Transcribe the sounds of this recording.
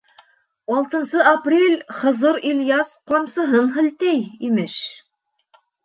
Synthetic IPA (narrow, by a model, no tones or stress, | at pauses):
ɑlˠt̪ɤ̆nsɤaprʲelʲχɤ̆zɤɾilʲjɑsqɑmsɤ̆ɦɤnɦɘ̆lt̪æjimɘʃ